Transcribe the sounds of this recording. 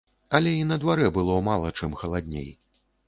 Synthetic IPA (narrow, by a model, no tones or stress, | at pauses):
ɐlʲɛinɐd̪vaɾɛbɨlˠɔmalˠɐt͡ʂɛmxɐlˠad̪ʲnʲḛj